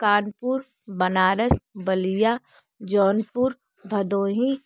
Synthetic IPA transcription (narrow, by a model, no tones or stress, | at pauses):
kaːnpuːɾ | bɐnaːɾəsbəlijaː | d͡ʒɔːnpuɾ | bʱɐd̪oːɦĩ